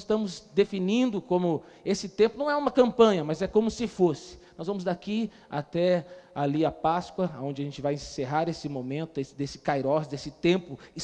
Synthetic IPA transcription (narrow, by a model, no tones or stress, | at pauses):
zɪst̪ɐ̃mʊzd̪efinĩnd̪ʊkõmʊ | esɪt̪ẽmpʊnɐ̃w̃ɛũmɐkɐ̃mpɐ̃ɲɐmazɛkõmʊsɪfosɪ̥nɔzvɐ̃mʊzd̪aki | a̰t̪ɛaliɐpaskwɐaõd͡ʒɪɐʒẽnt͡ʃɪvajẽseɦaɾesɪmõmẽnt̪ʊesd̪esɪ̥kajɾɔsd̪esɪt̪ẽmpʊɪ